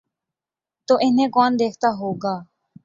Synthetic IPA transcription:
t̪oːʔɪnẽːkɔːnd̪eːkʰt̪aːɦoːɡaː

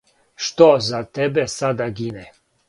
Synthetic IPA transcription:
ʃt̪ozat̪ebesad̪aɡine

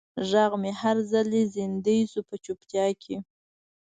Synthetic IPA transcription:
ʒaɣmehaɾzalezɪnd̪əjsupət͡ʃupt̪jɑkʰe

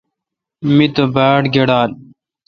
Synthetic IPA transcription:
mit̪obaːʈɡeɽaːl

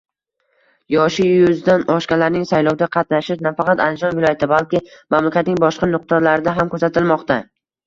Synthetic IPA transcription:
jɒʃɪjʊzd̪anɒʃkʲalaɾnɪŋsajlɒwd̪aqʰɑt̪naʃɪʃnafɑqɑt̪a̰nd̪ɪd͡ʒɒnvɪlˠɒjat̪ʰɪbalˠkʲɪmamlakʲat̪nɪŋbɒʃqɑnʊq̚t̪ʰɒɾlaɾɪd̪aɦamkʰɵsat̪ʰɪlmɒqt̪a

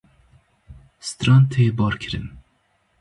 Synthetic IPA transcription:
st̪ɾɑnt̪ʰeːbɑːɾkʰɨɾɨ̰n

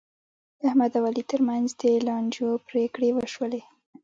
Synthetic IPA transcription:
d̪əahmad̪awalit̪əɾmanzd̪əːlɑɳd͡ʒopɾekɽewəʃwəle

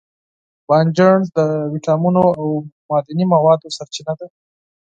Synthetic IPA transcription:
b̥ɑnd͡ʒaɳzd̪əwiʈɑmunoawmɑd̪animawɑd̪osaɾt͡ʃinad̪a

